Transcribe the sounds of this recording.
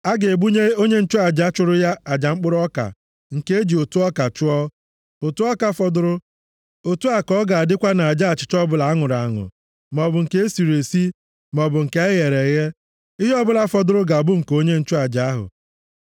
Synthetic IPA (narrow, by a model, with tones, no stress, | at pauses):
a˦ɡe˨e˨bu˦ɲe˦o˦ɲe˦n̩˦t͡ʃʊ˦a˨d͡ʒa˦t͡ʃʊ˦ɾʊ˦ja˦a˨d͡ʒa˨ŋ͡m̩˦k͡pʊ˦ɾɔ˦ka̰˨ | ŋ̩˨ke˦e˦d͡ʒi˨o˨tu˦ɔ˦ka˨t͡ʃʊ˦ɔ˦ | o˨tu˦ɔ˦ka˦fɔ˨dʊ˦ɾʊ˦ | o˨tu˦a˨kɔ˦ɡa˨a˨dɪ˦kʷa˦na˨a˨d͡ʒa˦a˨t͡ʃɪ̥˨t͡ʃɔ˦bʊ˦˨la˨a˦ŋʊ˨ɾa˨a˨ŋʊ̰˨ | m˨ɔ˨bʊ˨ŋ̩˨ke˦e˦si˨ɾe˨si˦ | m˨ɔ˨bʊ˨ŋ̩˨ke˨e˦ɣe˨ɾe˨ɣe˦ | i˦ɦi˦ɔ˦bʊ˦la˦fɔ˨dʊ˦ɾʊ˦ɡa˨bʊ˦ŋ̩˨ko˦ɲe˦n̩˦t͡ʃʊ˦a˨d͡ʒa˨a˦ɦʊ̰˨